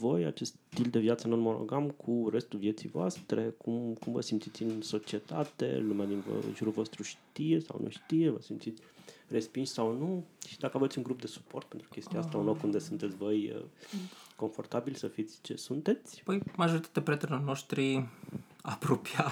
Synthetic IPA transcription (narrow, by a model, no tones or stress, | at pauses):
vo̞ja̰t͡ʃe̞st̪t̪ild̪e̞vjat̪sənolmolo̰ɡamkʰurest̪uvje̞t̪sijvoa̰st̪ɾe̞kʰumkumvə̰simt̪sit̪sʲɨnso̞t͡ʃie̞t̪at̪e̞̰lumead̪invo̰nʒuɾulvo̞st̪ɾuʃt̪ije̞sa̰wnʔṵʃt̪ije̞və̰simt̪sit̪sʲre̞spinʃʲsawnuʃi̥d̪akəave̞t̪sʲuŋɡɾup̚d̪e̞su̥po̞̰rt̪̚pe̞nt̪ɾu̥kʲe̞st̪iast̪aunlokund̪e̞sunt̪e̞t̪sʲvo̞jə̰ | ko̞nfo̞̰rt̪abilsəfit̪sʲt͡ʃe̞̰sunt̪e̞t̪sʲpəjmaʒo̞ɾit̪ḁt̪epɾet̪enorno̞ʃt̪ɾi | apɾopia